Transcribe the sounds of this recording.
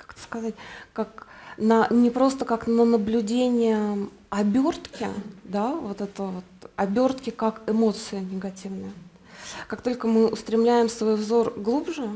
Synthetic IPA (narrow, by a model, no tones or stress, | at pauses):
kḁkt̪ə̥skɐzatʲkaknənʲɪpɾo̞st̪əkaknənəblʲʉdʲenʲɪjə | ɐbʲo̞rt̪kʲɪ̰d̪avo̞t̪ɛt̪əvo̞t̪ɐbʲo̞rt̪kʲɪkakɪmo̞t̪sɨɪnʲɪɡɐtʲivnɨjə | kakt̪o̞lʲkəmɨʊst̪ɾʲɪmlʲæjɪmsvo̞jvzo̞rɡlˠubʐɨ